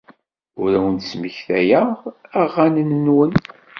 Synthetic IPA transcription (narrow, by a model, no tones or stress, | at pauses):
ʊɾæwənt̪sməçθæjəʁæʁːanənənwən